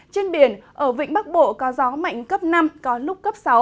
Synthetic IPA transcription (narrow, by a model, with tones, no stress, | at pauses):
t͡ɕe˧nɓi˧˩ənʔəː˧˩vḭ̈˧˨ŋ̟ɓa˦˥k̚ɓo̰˧˨kɔ˨˦zɔ˨˦ma̰˧˨jŋ̟kə˦˥p̚na˧mkɔ˨˦lʊ˦˥k͡p̚kə˦˥p̚sa˨˦w